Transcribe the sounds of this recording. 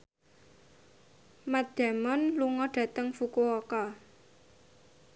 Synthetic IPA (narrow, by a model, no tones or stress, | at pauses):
mad̪̥a̤mɔnluŋɔɖ̥ä̤t̪əŋfukuokɔ